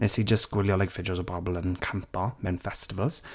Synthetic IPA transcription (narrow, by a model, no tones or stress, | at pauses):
ɪsiːd͡ʒəsɡ̥wɪljɔlɛɡfɪd͡ʒəzəbɔɹəbəlˠə̃nkʰãmpɔmɛ̃nfɛstɪvəlˠz̥